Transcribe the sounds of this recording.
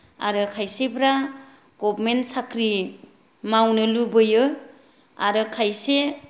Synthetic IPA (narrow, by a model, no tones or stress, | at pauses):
a̰ɾɯkʰajsebʰɾa | ɡ̥ɔbmensakɾi | mawnɯlubɯjɯ | aɾɯkʰajse